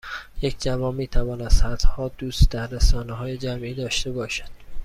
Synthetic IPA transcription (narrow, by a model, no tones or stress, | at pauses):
jecʰd͡ʒævɒːnmiːt̪ʰævɒːnæ̥sæd̪̥hɒːd̪̥uːst̪d̪æɾːesɒːneɦɒːjed͡ʒæmʔiːd̪ɒːʃt̪e̞bɒːʃæ̥d̪̥̚